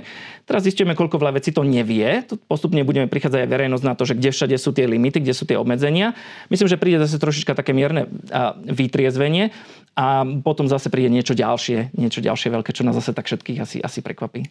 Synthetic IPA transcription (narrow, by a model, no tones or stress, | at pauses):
t̪ɛɾazzisc̪ʊjɛmɛkɔʎkɔʋʎaʋɛt͡siːt̪ɔɲɛʋɪɛt̪ɔpɔst̪upɲɛbuɟɛmɛpɾixaːd͡zaɟajʋɛɾɛjnɔznat̪ɔʒɛɡɟɛfʃaɟɛsuːt̪ɪɛlimit̪iɡɟɛsuːt̪ɪɛɔbmɛd͡zɛɲɪamislimʒɛpɾiːɟɛzas̬ɛt̪ɾɔʃ̬it͡ʃkat̪akɛːmɪɛɾnɛ̰ʋit̪ɾɪɛzʋɛɲɪɛ | ʔapɔt̪ɔmzasɛpɾiːɟɛɲɪɛt͡ʃɔɟa̰lʃɪɛɲɪɛt͡ʃɔɟa̰lʃɪɛʋɛʎkɛːt͡ʃɔnaːzasɛt̪akfʃɛt̪kiːɣasḭʔasipɾɛ̰kʋapiː